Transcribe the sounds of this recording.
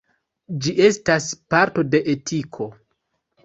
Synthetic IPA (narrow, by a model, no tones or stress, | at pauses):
d͡ʒiʔe̞staspaɾto̞de̞ʔetʰikʰo̞